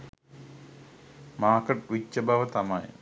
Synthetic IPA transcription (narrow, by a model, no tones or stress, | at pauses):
maːkɐʈʋit͡ɕːɐbɐʋɐt̪ɐmɐj